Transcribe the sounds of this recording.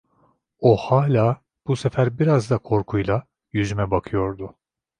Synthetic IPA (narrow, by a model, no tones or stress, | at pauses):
ohaːlʲaː | b̥use̞fæɾbiɾazd̪akʰo̞ɾkʰujlˠa | jyzymɛbakʰɯjo̞ɾd̪ʊ